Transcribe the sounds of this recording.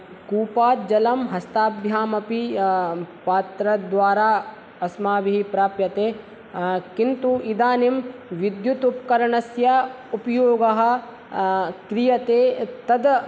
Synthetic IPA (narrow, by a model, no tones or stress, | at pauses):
kuːpaːt̪̚d͡ʒɐlɐmɦɐst̪aːbʱjaːmɐpi | paːt̪ɾɐd̪ʋaːɾaː | ɐsmaːʋiɦipɾaːpjɐt̪eː | kint̪uid̪aːnimʋid̪jut̪up̚kɐɾɐɳɐsjɐ | upjoːɡɐɦɐ̆ | kɾijɐt̪eːt̪ɐd̪